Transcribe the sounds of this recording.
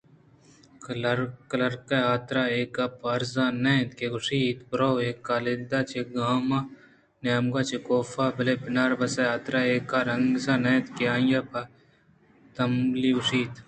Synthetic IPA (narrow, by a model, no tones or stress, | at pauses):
kɐlɐɾkɐlɐɾkɐaːt̪ɾaeːkapɐɾzaːnẽt̪keɡʊʂiːt̪pɾoweːkːaːled̪aːt͡ʃʰeɡaːmaː | njaːmɡaːt͡ʃekoːfaːbɐlepɪnaːɾbɐsɐaːt̪ɾaːeːkːaɾɐŋɡsaːnɛ̃ːt̪keãːjaːpʰa | t̪ɐmliɡʊʂiːt̪